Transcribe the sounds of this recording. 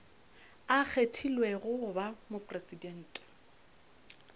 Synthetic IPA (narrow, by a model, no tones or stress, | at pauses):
ak͡xʰetʰilweɣʊbamʊpʼresidɛn̩ːtʼ